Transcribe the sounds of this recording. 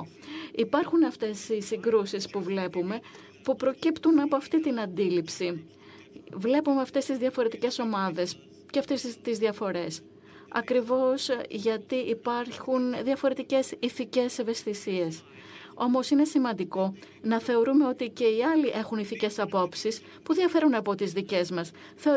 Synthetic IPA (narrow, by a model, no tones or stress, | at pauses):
ipɐɾxunɐft̪e̞sisiŋɡɾusispuvle̞pume̞ | pupɾo̞cipt̪unɐpoɐft̪it̪inɐnd̪ilipsi | vle̞pume̞ɐft̪e̞st̪izðiɐfo̞ɾe̞t̪ice̞so̞mɐðe̞s | ceɐft̪est̪izðiɐfo̞ɾe̞s | ɐ̰kɾivo̞sʝɐt̪iʔipɐɾçunðiɐfo̞ɾe̞t̪ice̞siθice̞seve̞st̪isie̞s | o̞mo̞sine̞simɐnd̪iko̞ | nɐθe̞o̞ɾume̞o̞t̪ice̞iɐliʔe̞xuniθice̞sɐpo̞psis | puðiɐfe̞ɾunɐpo̞t̪izðice̞zmɐs | θeo